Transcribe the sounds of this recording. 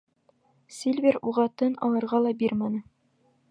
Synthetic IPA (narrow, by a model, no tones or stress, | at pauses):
sʲilʲvʲeɾuʁɑt̪ɤnɒ̰lˠɤ̆ɾʁɑlˠɑbiɾmænɤ